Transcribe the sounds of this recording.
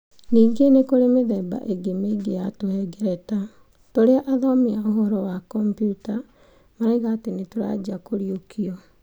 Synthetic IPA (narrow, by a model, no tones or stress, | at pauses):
niːɡenekoɾemeðɛːba̰ʔeɡemeiɡejatohɛɡɛɾɛta | toɾeaʔaðɔmiaoɦɔɾɔwakɔmpjuta | maɾeɣaːtenetoɾa̰d͡ʑakoɾiokʰiɔ